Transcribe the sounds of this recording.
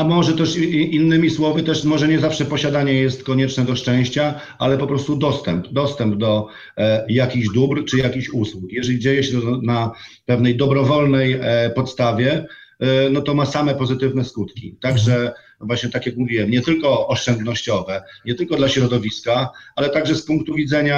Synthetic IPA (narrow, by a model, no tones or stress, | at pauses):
amɔʐɛt̪ɛʂinːɘmʲiswɔvət̪ɛʂmɔʐɛɲɛzafʂɛpɔɕad̪aɲɛjɛst̪kɔɲɛt͡ʂnɛd̪ɔʂt͡ʂɛ̃w̃ɕt͡ɕa | ʔalɛpɔpɾɔst̪ud̪ɔst̪ɛmpd̪ɔst̪ɛmbd̪ɔ | jakʲiɣʑd̪ubɾt͡ʂɘjakʲiɕuswukjɛʐɛlʲid͡ʑejɛɕɛt̪na | pɛvnɛjd̪ɔbɾɔvɔlnɛjpɔt̪st̪avʲjɛ | nɔt̪ɔmasamɛpɔzɘt̪ɘvn̪ɛskut̪kʲḭt̪aɡʐɛ | vwaɕɲɛt̪akjakmuvʲiwɛmɲɛt̪ɘlkɔɔʂt͡ʂɛnd̪nɔɕt͡ɕɔvɛɲɛt̪ɘlkɔd̪laɕɾɔd̪ɔvʲiskaalɛt̪aɡʐɛspuŋk̚t̪uvʲid̪zɛɲa